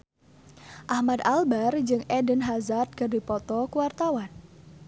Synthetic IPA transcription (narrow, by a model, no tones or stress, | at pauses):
ʔahmad̪albard͡ʒɨŋʔɛdənɦazat̪̚kərdipɔt̪ɔkuwart̪awan